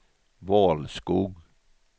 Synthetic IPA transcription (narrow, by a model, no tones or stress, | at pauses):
ʋɑːlskuːɡ